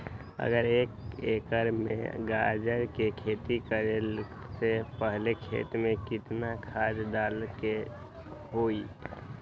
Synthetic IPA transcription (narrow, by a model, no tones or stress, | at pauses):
ə̰ɡəɾeːkḛːkəɾmḛ̃ɡaːd͡ʒəɾkekʰeːt̪ikəɾel | sepəɦlekʰḛːt̪mẽkɪt̪nakʰaːd͡ʒd̪aːlke | ɦoːi